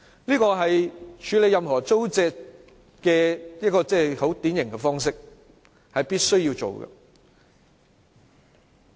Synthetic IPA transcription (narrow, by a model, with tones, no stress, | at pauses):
liː˥kɔː˧ɦɐ˨jt͡ʃʰyː˨˧le˨˧jɐ˨mɦɔː˨˩t͡so˥wt͡sɛː˧k̚ | kɛː˧jɐ˥t̚kːɔː˧t͡sɛː˥˩ho˨˥wt̪iː˨˥njɪ˨˩ŋkɛ˧fɔː˥ŋsɪ˥k̚ | hɐ˨jpiː˥t̚sɵ˥ɥjiː˧wt͡so̰˨˩wɡɐ̰˨